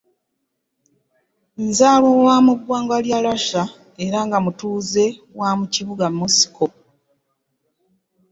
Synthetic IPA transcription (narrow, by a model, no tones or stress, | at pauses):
nzaːβowamuɡwaːŋɡwaljalaʃa | e̞ɾaŋɡamutuːze̞wamuciβuɡamːusi̥kʰo